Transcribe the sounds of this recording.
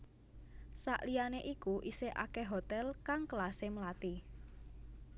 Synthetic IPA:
sa̰ʔlijaneʔikuʔiseʔa̰keɦot̪ɛlkaŋkəlaseməlat̪i

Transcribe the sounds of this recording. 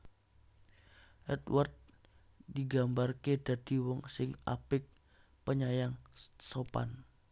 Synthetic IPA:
ʔɛt̪wart̪̚ | d̪iɡambarked̪̥a̤d̪̥i̤wɔŋsɪŋa̰pɪk̚ | pəɲajaŋsopa̰n

